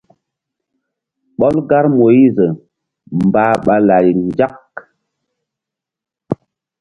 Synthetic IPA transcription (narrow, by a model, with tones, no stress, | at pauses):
ɓɔ˦lɡa˦ɾmo˨i˦zə˨ | m̩˨baː˦ɓa˨la˨ji˨nd͡ʒa˦k